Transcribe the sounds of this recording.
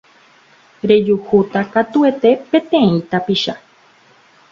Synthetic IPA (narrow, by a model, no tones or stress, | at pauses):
ɾe̞d͡ʒuhut̪akat̪ue̞t̪e̞pẽ̞t̪ẽ̞ĩt̪apiʃa